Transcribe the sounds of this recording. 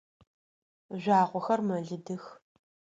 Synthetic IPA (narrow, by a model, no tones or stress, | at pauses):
ʒʷaːʁʷɔxɐrmɐɮɨdɨx